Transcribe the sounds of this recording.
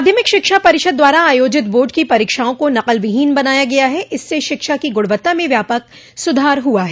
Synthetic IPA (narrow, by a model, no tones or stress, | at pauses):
d̪ʱjəmɪkʃɪkʃapɐɾɪʃəd̪̚ːwaːɾaaːjoːd͡ʒɪt̪boːɖkipɐɾiːkʃaːõkonɐqəlʋɪɦiːnbɐnaːjaɡɐjaɦɛʔɪsːeʃɪkʃakiɡʊɽʋət̪ːamẽʋjaːpək̚ | sʊd̪ʱaːɾɦuaɦɛː